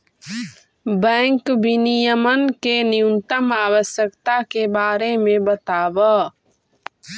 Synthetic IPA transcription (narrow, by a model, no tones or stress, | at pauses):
bɛ̃ːŋkbʱinijəmənkenɪjunt̪əmaːwəsjəkt̪akebaːɾemẽbət̪aːbə